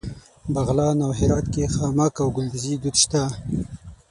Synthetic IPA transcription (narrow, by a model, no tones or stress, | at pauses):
baɣlɑnawɦɪɾɑt̪kexɑmakawɡʊld̪ɪzid̪ud̪ʃt̪a